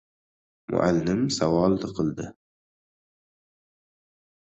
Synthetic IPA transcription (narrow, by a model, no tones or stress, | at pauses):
mʔʊ̰ʔa̰lːɪmsawɑːld̪ɨqʰɨld̪ɪ